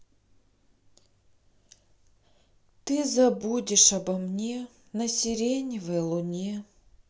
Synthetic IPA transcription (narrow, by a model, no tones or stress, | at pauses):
t̪ɨzɐbudʲɪʂɐbɐmnʲe | nɐsʲɪɾʲenʲɪvəjlˠʊnʲe